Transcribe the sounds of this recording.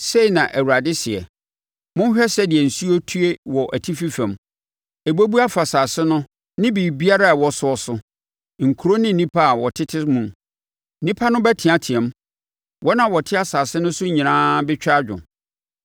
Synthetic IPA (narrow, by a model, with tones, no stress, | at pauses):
se˦i˨nã˨ʔæ˨wu˨ɾa˨dɪ˦sɪ˨ɛ̰˨ | mʊ̃˦n˦ɕᶣɛ˦sɛ˦dɪ˨ɛ˨n̩˨su˦o˦tʰu˦e˦wɔ˨ʔæ˨tʰi˦fi˦fɛ̃˨m | e˨bo˦bu˦a˦fa˨saː˨sɪ˦nʊ̃˦ | nɪ̃˦bi˨bi˦a˦ɾa˦a˨wɔ˨sʊ˦ɔ˦sʊ˦ | ŋ̩˨kʰu˨ɾo˦nɪ̃˦n̩˨nĩ˦pʰa˦a˨wɔ˨tʰɪ˦tʰɪ˦mũ˨m˦ | nĩ˦pʰa˦nʊ̃˦bæ˦tʰɪ̃˨a˦tʰɪ˨ɛ̃˨˦m˦ | wʔɔ˦nã˨wɔ˨tʰɪ˦a˨saː˨sɪ˦nʊ̃˦sʊ˦ɲĩ˨nã˦bɪ˦t͡ɕᶣa˦d͡ʑᶣʊ̰̃˨